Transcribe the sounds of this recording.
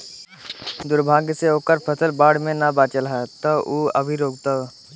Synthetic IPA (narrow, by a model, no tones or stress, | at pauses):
d̪ʊɾbʱaːɡseoːkəɾpʰəsəlbaːɽmẽnabaːt͡ʃəlɦɛt̪əuəbʱiɾoːɡt̪ə